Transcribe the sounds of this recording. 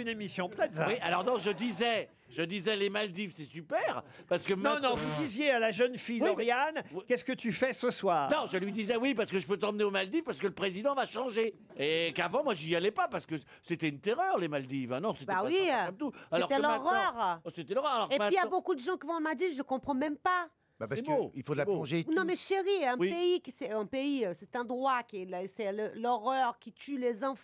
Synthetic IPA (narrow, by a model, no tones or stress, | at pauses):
ynemisjɔ̃plɛt̪zwialɔʁnɔ̃ʒəd̪izɛ | ʒəd̪izɛlemald̪ivsɛsypɛʁ | paʁsə̥kəmɛ̃nɔ̃vud̪izjealaʒənfijdiɔʁjanwikʲɛskət̪yfɛsəswaːʁnɔ̃ʒəlɥid̪izɛwipaʁsə̥kəʒəpøt̪ɑ̃mneomald̪ifpaʁsə̥kələpχezid̪ɑ̃vaʃɑ̃ʒe | ekavɑ̃mwaʒialɛpapaʁsə̥kə | set̪ɛynt̪eʁœʁlemald̪ivɛ̃nɔ̃setbɛawimt̪ualeɔʁt̪ɛlɔɛʁœʁset̪ɛlɔʁœʁalɔʁkemɛ̃tijabokud̪əʒɑ̃kʲivɔ̃mald̪ivʒəkɔ̃pχɑ̃mɛ̃mpa | bapasɛboilfod̪laboɔ̃ʒenɔ̃mɛʃeʁiɛ̃wipeikʲisɛɛ̃peiøsɛt̪ɛ̃d̪ʁwakʲɛlɛsɛləlɔʁœʁkʲit̪ylezɑ̃f